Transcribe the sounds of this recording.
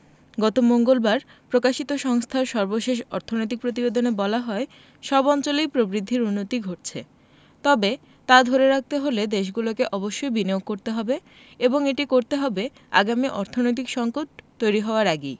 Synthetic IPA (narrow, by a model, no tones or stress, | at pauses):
ɡɔt̪omoŋɡolbaɾ | pɾokaʃit̪oʃɔŋst̪ʰaɾʃɔɾboʃeʃɔ̰ɾt̪ʰonojt̪̬ik̚pɾot̪̬ibed̪onebɔlaɦɔe | ʃɔbɔnt͡ɕolijpɾobɾid̪ʱːiɾunːot̪iɡʱoʈ̚t͡ɕʰḛ | t̪ɔbe | t̪ad̪ʱoɾeɾak̚ʰt̪eɦoled̪eʃ̬ɡulokeʔɔboʃːojbineoɡ̚ːoɾt̪eɦɔbe | eboŋeʈikoɾt̪eɦɔbe | a̰ɡamiʔɔɾt̪ʰonojt̪ikʃɔŋkoʈ̚t̪ojɾiɦɔoaɾaɡi